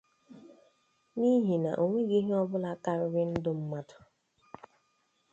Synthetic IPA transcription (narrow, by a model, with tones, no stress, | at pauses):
ni˦ɦi˨na̰˨ʔo˨ŋʷe˦ɡe˦ɦe˦ɔ˦bʊ˦la˦ka˦ɾʊ˦ɾɪ˦n̩˦dʊ˦m̩˦ma˦tʊ̥˨